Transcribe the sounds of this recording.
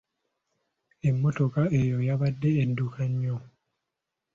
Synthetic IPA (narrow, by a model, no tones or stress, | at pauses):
e̞mːo̞to̞kae̞jo̞jaβadːe̞ːndukʰaɲːo